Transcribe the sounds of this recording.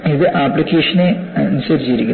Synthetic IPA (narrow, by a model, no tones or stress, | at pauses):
iðɨʔaːpɭikʲːeːʂɐneɐnusɐɾit͡ɕːɐjiɾikʲːu